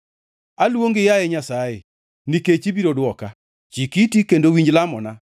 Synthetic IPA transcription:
alwoŋɡɪjajɛɲasajḛ | niket͡ʃibiɾodwɔka | t͡ʃikitikendowiɲd͡ʒlamɔna

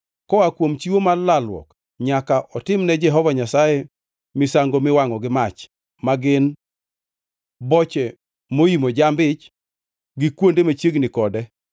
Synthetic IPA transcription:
kɔakwomt͡ʃiwomalalwɔ̰k | ɲakaʔɔtɪmnɛd͡ʒɛɦɔvaɲasajɛ | mɪsaŋɡomɪwaŋɔɡɪmat͡ʃ | maɡɪn | bɔt͡ʃɛ | moimod͡ʒambɪt͡ʃ | ɡɪkwondemat͡ʃjeɡnɪkɔdɛ

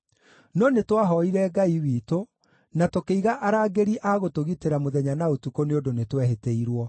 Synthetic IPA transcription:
nɔnetwaɦɔiɾɛɡaiwiːto | natokeiɣaʔaɾaːɡeɾiʔaɣotoɣiteɾamoðɛɲanaotukoneodonetwɛɦeteiɾwɔ

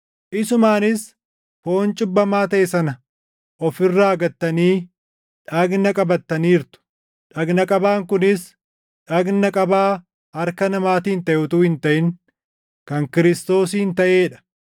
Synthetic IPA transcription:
ʔɪsʊmaːnɪs | fo̞ːnt͡ʃʼɪbːɐmaːt̪ɐʔɛsɐnɐ | ʔɔfɪrːaːɐɡɐt̪ːɐniː | ᶑɐɡnɐkʼɐbɐt̪ːɐniːɾt̪ʊ̥ | ᶑɐɡnɐkʼɐbaːŋkʊnɪs | ᶑɐɡnɐkʼɐbaː | ɐɾkɐnɐmaːt̪iːnt̪ɐʔʊt̪uːhɪnt̪ɐʔɪŋ | kɐŋkɪɾɪst̪o̞ːs̬iːnt̪ɐʔeːᶑɐ̥

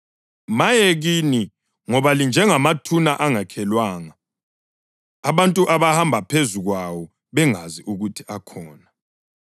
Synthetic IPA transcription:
majɛɣini | ŋɔβalind͡ʒʱɛŋamatʰunaʔaŋakʰɛlwaːŋa | βantʼuʔaβahambʱapʰezuɣwawɔ | βɛŋaziʔuɣutʰi̥ʔakʰɔːna

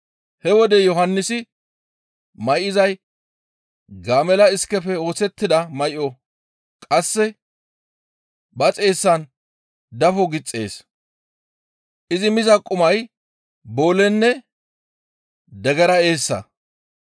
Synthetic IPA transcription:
hɛwɔd̪ɛjɔɦɐnːɪsɪ | mɐjʔɪzɐj | ɡaːmɛlɐɪskːɛfɛo̞ːsɛt̪ːɪd̪ɐmɐjʔɔ | kʼɐsːɛ | bɐt͡sʼe̞ːsːɐn | d̪ɐfɔɡɪt͡sʼːe̞ːs | ʔɪzɪmɪzɐkʼːʊmɐj | bo̞ːlɛnːɛ | d̪ɛɡɛɾɐe̞ːsːɐ̰

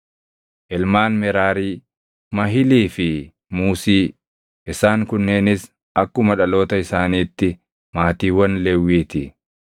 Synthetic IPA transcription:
ʔɪlmaːnmɛɾaːɾiː | mɐɦɪliːfɪ | muːsiː | ʔɪsaːŋkʊnːe̞ːnɪs | ʔɐkːʊmɐᶑɐlo̞ːt̪ɐɪsaːniːt̪ːɪ | maːt̪iːwɐnlɛwːiːt̪ɪ

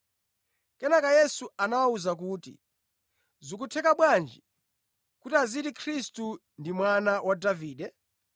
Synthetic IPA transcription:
kɛnakajɛsuanawauzak̬uːtḭ | zukutʰɛkaɓwand͡ʒi | kutiazitikʰɾistu | ndimwanawʔadaviːɗɛ

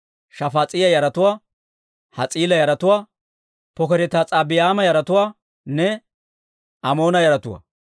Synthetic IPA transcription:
ʃɐfat͡sʼɪjɐjɐɾɐt̪ʊwaː | hɐt͡sʼiːlɐjɐɾɐt̪ʊwaː | pɔkɛɾɛt̪aːt͡sʼaːbɪjaːmɐjɐɾɐt̪ʊwaː | nɛ | ɐmo̞ːnɐjɐɾɐt̪ʊwa̰

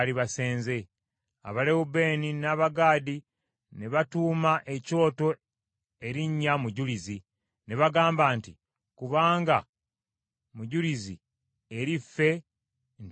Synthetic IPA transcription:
liβase̞ːnze̞ | a̰βalewube̞ːninaːβaɡaːdi | neβatuːmaʔe̞co̞ːto̞ | e̞ɾiɲːamuɟulizi | neβaɡaːmbaːntḭ | kuβaːŋɡa | muɟulizḭ | eɾifːe̞ | n

